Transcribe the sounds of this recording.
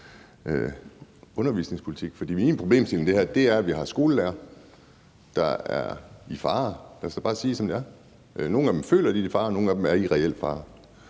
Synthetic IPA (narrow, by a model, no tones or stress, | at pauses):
ø | ɔ̽nɐʋḭːsne̝ŋspʰoli̥t͡sʰiɡ̥fɒ̽d̥ḭːmiːnpʰʁo̝b̥e̝̰ːmselm̩nd̥e̝hæɐd̥e̝æɐʋiɦɑ̈sɡ̥o̝ːləleːɐ | d̥ɑ̈æɐifɑ̈ːlæɐsæb̥ɑ̈ːæsiːsɒ̽md̥e̝æɐ | no̝ːn̩æd̥emfø̰ːlɐd̥iifɑ̈ːno̝ːn̩æd̥em̩æɐiʁɛel̰̥fɑ̰̈ː